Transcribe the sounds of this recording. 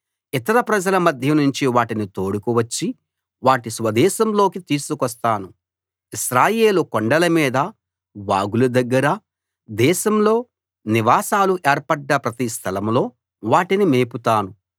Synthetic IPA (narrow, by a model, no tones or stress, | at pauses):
it̪ɐɾɐpɾɐd͡ʒɐlɐmɐd̪ʱjɐnuɲt͡ʃiʋaːʈinit̪o̞ːɽukuʋɐt͡ʃːi | ʋaːʈisʋɐd̪ɛːʃɐmlo̞ːkit̪iːsukɐst̪aːnu | iʃɾaːjeːlukoɳɖɐlɐmiːd̪ɐ | ʋaːɡulud̪ɐɡːɐɾɐ | d̪ɛːʃɐmlo̞ː | niʋaːsaːluʔeːɾpɐɖːɐpɾɐt̪ist̪ʰɐlɐmlo̞ː | ʋaːʈinimeːput̪aːnu